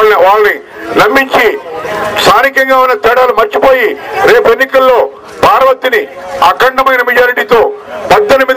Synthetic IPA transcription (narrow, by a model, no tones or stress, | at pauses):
ɐʋaːɭɐni | nɐmːiɲt͡ʃist̪ʰaːnikɐŋɡaːunːɐt̪ɛːɽaːlumɐɾt͡ʃipo̞ːjiɾe̞ːpue̞nːikɐlːo̞ː | bʱaːɾɐʋɐt̪iniɐkɐɳʈɐmɐjnɐmɐd͡ʒaːɾiʈiːt̪o̞ːpɐd̪ːɐnɐmiːd̪